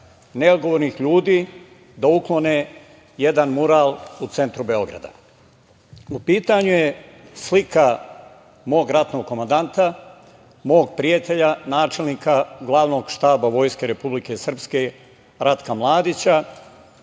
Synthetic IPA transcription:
ne̞od̪ɡo̞ʋoɾnixʎuːd̪iː | d̪auklˠo̞ne | je̞d̪anmuɾaːlˠut̪se̞nt̪ɾube̞o̞ɡɾa̰d̪a̰ | upiːt̪aɲuje̞slika | mo̞ːɡɾat̪no̞ɡ̚kːomand̪ant̪a | mo̞ːɡ̚pɾijat̪e̞ʎanaːt͡ʃe̞lˠniːkaɡlˠaːʋno̞ːɡʃt̪aːbaʋo̞ːjske̞ɾe̞publike̞sr̩pske̞ | ɾat̪kamlˠaːd̪it͡ɕa

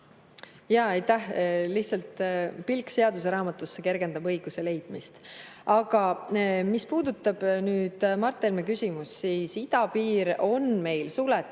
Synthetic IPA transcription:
jɑɑjt̪ːæhliht̪sɑlt̪pilkse̞ɑd̪use̞ɾɑːmɑt̪ːˑusːeke̞rɡ̥e̞nd̪ɑbɤjɡ̥use̞le̞jd̪̥mist̪ɑɡ̥ɑmispuːd̪̥ut̪ːˑɑb̥nyːd̪̥mɑrt̪ːˑelmekysʲimusːiːsid̪ɑpiːɾo̞nme̞jlsulet̪ː

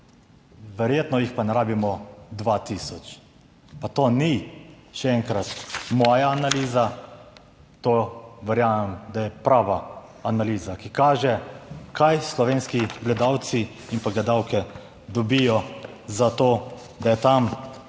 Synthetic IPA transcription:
ʋɛɾjeːt̪nɔjixpanɛɾaːbimɔd̪ʋat̪isɔt͡ʃ | pat̪oːniʃɛɛŋkɾat̪mɔjaːnaliːza | t̪oʋɛɾjaːmɛmd̪ajɛpɾaːʋaanaliːzakikaːʒɛkʰajslɔʋeːnskiɡlɛd̪aw̪si | impaɡlɛd̪awkɛ | d̪ɔbijɔ | zat̪oː | d̪ajɛt̪am

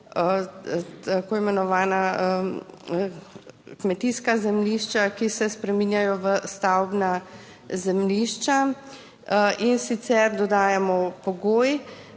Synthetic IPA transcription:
t̪akoːimɛnɔʋaːnaə | kmɛt̪iskazɛmliʃt͡ʃakisɛspɾɛmiːnjajɔʋəst̪awbna | zɛmliʃt͡ʃa | insit̪sɛɾd̪ɔd̪aːjamɔpɔɡoːj

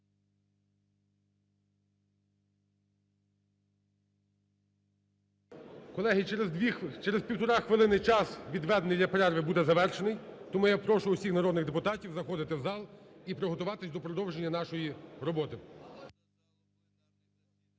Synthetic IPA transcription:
kɔlˠɛɦɪ | t͡ʃɛɾezpʲiwt̪ɔɾɑxʋɪlˠɪnɪjt͡ʃɑsʋʲid̪ʋɛd̪nɪjlʲɐpɾɛrʋɪbud̪ɛzɐʋɛrʃenɪjt̪ɔmujapɾɔʃʊʊsʲixnɐɾɔd̪nɪɣd̪epʊt̪ɑtʲiwzɐxɔd̪ɪt̪ɪwzɑlˠipɾɪɦɔt̪ʊʋɑt̪ɪsʲd̪ɔpɾɔd̪ɔwʒenʲːɐnɑʃɔjiɾɔbɔt̪ɪ

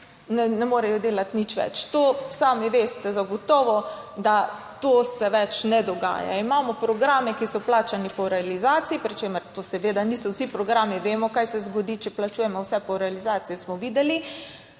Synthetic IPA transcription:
nɛnɛmoːɾɛjɔd̪eːlat̪nit͡ʃʋɛ̰t͡ʃt̪osaːmiʋeːst̪ɛzaɡɔt̪ɔːʋɔd̪a | t̪oːsɛʋɛt͡ʃnɛd̪ɔɡa̰ːja̰imaːmɔpɾɔɡɾaːmɛkisɔplaːt͡ʃanipɔɾɛalizaːt̪siipɾit͡ʃeməɾt̪osɛʋeːd̪aniːsɔwsipɾɔɡɾaːmiʋeːmɔkajsɛzɡɔd̪iːt͡ʃɛplat͡ʃuːjɛmɔwsɛpɔɾɛalizaːt̪sijɛsmɔʋiːd̪ɛli

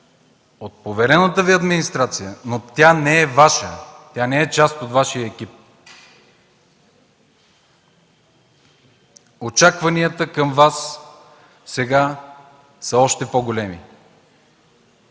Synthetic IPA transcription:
ot̪̚povɛɾɛnət̪əviɐd̪minist̪ɾat̪sijənot̪ʲanɛɛvaʃət̪ʲjanɛɛt͡ʃast̪ot̪vaʃijəɛk̟ʲip̚ | ot͡ʃakvɐniət̪əkəmvas | sɛɡa | səɔʃt̪ɛpoɡolɛmḭ

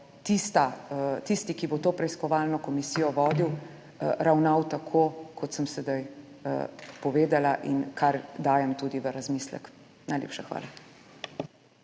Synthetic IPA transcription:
t̪ist̪at̪ist̪ikibot̪oːpɾɛiskɔʋaːlnɔkɔmisijɔʋɔːd̪iw | ɾawnawt̪akʰoːkʰɔt̪səmsɛd̪aj | pɔʋeːd̪alaʔinkʰaɾd̪aːjɛmt̪uːd̪iʋəɾazmislɛ̰k | najlʲḛːpʃaxʋa̰ːla

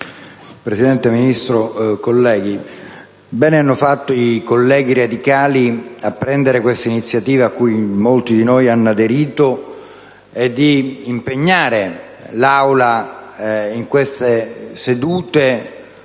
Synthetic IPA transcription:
pɾesid̪ɛnt̪eminist̪ɾokolːɛːɡ̟i | bɛːneanːofat̪ːoikolːɛːɡ̟iɾad̪ikaːliapːɾɛnd̪eɾekwest̪ainit̪sːjat̪iːvaːkːujmolt̪id̪inojanːoad̪eɾiːt̪o | ɛd̪ːiːmpeɲːaːɾe | lawla | iŋkwest̪esed̪uːt̪e

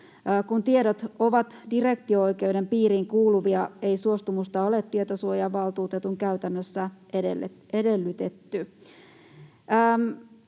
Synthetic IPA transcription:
kunt̪ieɾot̪oʋɑt̪dire̞k̚t̪ioojke̞wde̞mpiːɾiːŋkuːluʋiɑeisuost̪umust̪ɑolet̪ːiet̪osuojɑʋɑlt̪uːt̪et̪uŋkæyt̪ænːøsːæeedelːyt̪et̪ːy | m

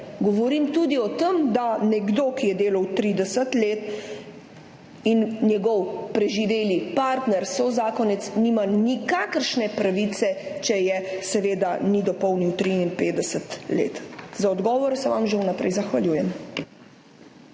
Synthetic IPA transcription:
ɡɔʋɔɾiːmt̪uːd̪iɔt̪əmd̪anɛɡd̪oːkijɛd̪eːlawt̪ɾid̪ɛsət̪leːt̪ | innjɛɡɔwpɾɛʒiʋeːlipaːɾt̪nɛɾsozaːkɔnɛt̪sniːmanikakəɾʃnɛpɾaʋiːt̪sɛt͡ʃɛjɛsɛʋeːd̪anid̪ɔpɔwniwt̪ɾiinpeːd̪ɛsət̪lḛːt̪zaɔd̪ɡɔːʋɔɾɛsɛʋamʒewnapɾɛ̰jzaxʋaljuːjɛm

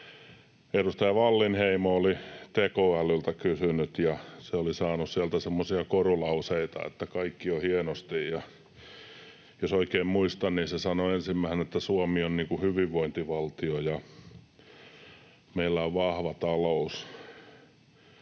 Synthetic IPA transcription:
erust̪ɑjɑʋɑlːinheimoolit̪ekoælylt̪ækysynyt̪jɑseolisɑːnussiælt̪æsemːosiɑkorulɑuseit̪ɑ̰ḛt̪ːækɑikːiohienost̪ijjɑ | josoikeːmmuist̪ɑnniːnsesɑnoensimːæihenet̪ːæsuɑmionniːŋkuhyʋiʋʋoint̪iʋɑlt̪iojɑ | meilːæoʋʋɑhʋɑt̪ɑlous

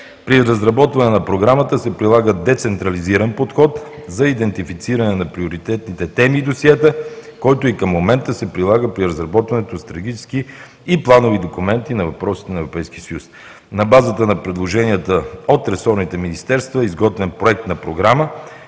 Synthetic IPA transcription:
pɾiɾəzɾɐbɔt̪vɐnɛnɐpɾoɡɾamət̪əsɛpɾilˠaɡəd̪ɛt̪sɛnt̪ɾɐliziɾənpot̪xɔt̪zɐid̪ɛnt̪ifit̪siɾənɛnɐpɾioɾit̪ɛt̪nit̪ɛt̪ɛmid̪osiɛt̪əkɔjt̪oikəmːomɛnt̪əsɛpɾilˠaɡəpɾiɾɐzɾɐbɔt̪vɐnɛt̪ost̪ɾɐɡ̟it͡ʃɛski | iplˠanovid̪okumɛnt̪inɐvɐpɾɔsi̥t̪ɛnɐɛvɾopɛjsk̟isəjus | nɐbazət̪ənɐpɾɛd̪lˠoʒɛniət̪əot̪ɾɛsɔɾnit̪ɛminist̪ɛɾst̪vɐizɡɔt̪vɛnpɾoɛk̚t̪nɐpɾoɡɾamə

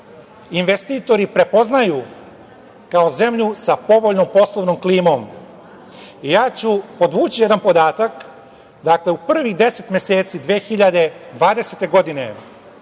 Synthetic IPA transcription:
inʋe̞st̪iːt̪o̞ɾipɾe̞po̞znaju | kao̞ze̞mʎusapo̞ʋo̞ʎnompo̞slˠoʋnomkliːmo̞m | ijaːt͡ɕupo̞d̪ʋuːt͡ɕijed̪anpo̞d̪aːt̪ak | d̪akle̞upr̩ʋixd̪e̞se̞t̪mʲje̞se̞ːt̪sid̪ʋeːxiʎad̪e̞d̪ʋaːd̪e̞set̪e̞ɡo̞d̪ine̞̰

